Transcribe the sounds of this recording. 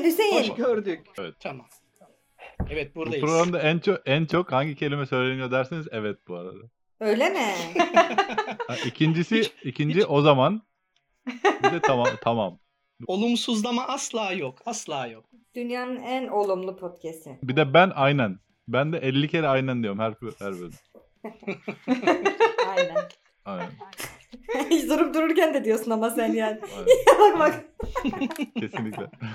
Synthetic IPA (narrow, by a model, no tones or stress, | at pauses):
ɟyzejinɡøɾd̪ycʲɛvɛt̪ʰma | ɛvɛt̪̚buɾduapɾoɡɾamd̪aænt͡ʃʰokænt͡ʃʰokhaɲɟicʰe̞lʲimɛsø̞jlʲenijo̞d̪æɾsinizɛvɛt̪̚buaɾa̰d̪a | ø̞jlʲemɪ | aicʰind͡ʒisiicʰind͡ʒiʔo̞zaman | bd̪ɛt̪ʰamamt̪ʰamam | o̞lˠumsuzlˠamaʔaslˠaːjokʰaslˠaːjok̚ | d̪̥ynjaːnɯnæno̞lˠumlˠupʰot̪cʰɛst̪ʰɪbid̪ɛbænʔajnæn | bænd̪ɛʔɛlʲːicʰeɾɛajnænd̪ijoɾumhæɾphæɾbøɾn | ajnæn | ajnæn | it͡ʃd̪oɾumd̪uɾuɾcænd̪ɛd̪ijo̞ɾsunamasænjaːnialakmak | e̞sinlʲicʲlʲɛ̰